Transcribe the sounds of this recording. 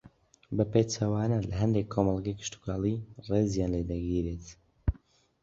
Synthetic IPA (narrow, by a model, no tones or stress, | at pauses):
bɐpet͡ʃʰɐwaːnɐlɐɦɐnd̪ekʰːomɑlˠɡɐjkʰɨ̥ʃt̪u̥kaːlˠirezjaːnled̪ɐɡiːɾet̪